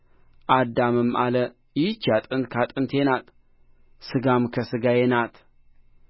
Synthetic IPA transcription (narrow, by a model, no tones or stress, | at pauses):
ʔad̪ːamɨmʔalə | jɪt͡ʃːjat̪ʼɨnt̪kʰat̪ʼɨnt̪ʰenat̪ | sɨɡamkʰəsɨɡajenat̪ʰ